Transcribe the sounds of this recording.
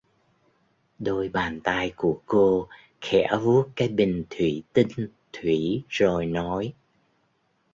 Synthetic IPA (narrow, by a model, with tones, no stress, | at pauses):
ɗo˧jɓaː˨˩nt̪aː˧jku˧˩əko˧ | xɛ̰˧˩˥vu˦˥ət̚kaː˨˦jɓï˨˩ŋ̟t̪ʰwi˧˩t̪i˧ŋ̟ | t̪ʰwi˧˩˨zo˨˩jnɔ˨˦j